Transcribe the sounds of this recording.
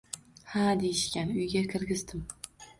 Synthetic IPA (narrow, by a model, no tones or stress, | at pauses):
had̪ejɪʃkʲanʊjɡʲakʲʰɪɾɡʲɪzd̪ɪm